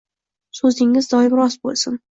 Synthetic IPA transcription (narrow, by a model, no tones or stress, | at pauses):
sɵzd̪ɪŋːɪzd̪ɒɪmɾɒsbo̰lˠsɪn